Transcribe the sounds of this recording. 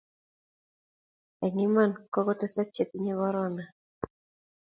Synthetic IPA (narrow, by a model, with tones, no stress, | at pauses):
ɛ˨ŋɪ˦ma˦˨nkɔ˦ɡɔ˦tɛ˦sa˦k̚t͡ʃe˦ku˦ɲe˦ɣɔ˦ɾɔ˦na˨